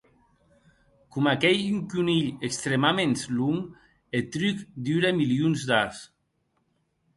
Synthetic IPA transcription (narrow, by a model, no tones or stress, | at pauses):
kumakɛjyŋkuniʎekst̪ɾemamensluŋ | et̪ɾykd̪yɾemiliunzd̪as